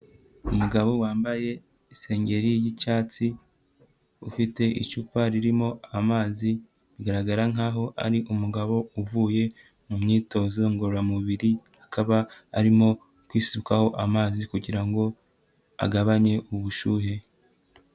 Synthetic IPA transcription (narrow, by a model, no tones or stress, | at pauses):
umuɡaβo̞waːmbaje̞ | ise̞ːɲɟe̞ɾijit͡ʃaːt͡si | ṵfite̞ʔḭt͡ʃupaɾiɾimo̞amaːzi | βiɡaɾaɡaɾaŋ̥aːɦo̞ʔa̰ɾiʔumuɡaβo̞uvuːje̞ | mumɲiːto̞ːzoŋɡoɾɾamuβiɾihḁkaβaːɾimo̞ | kwiːsiβukaho̞ʔamaːzikuɟiɾaŋɡo̞ | a̰ɡaβaɲe̞ʔuβuʃuːhe̞